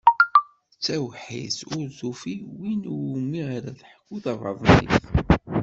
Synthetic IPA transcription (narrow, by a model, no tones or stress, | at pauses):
t͡sːæwħḭsʊɾzufiwinmːiʁaɾæðħə̥kːuðɑvˤɑ̰ðˤnḭθ